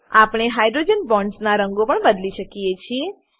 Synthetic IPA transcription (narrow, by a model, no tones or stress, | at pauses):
apɽ̃eɦajd̪ɾod͡ʒənbɔ̃ɳɖsnaɾəŋɡopəɳbəd̪liʃəkiet͡ʃʰie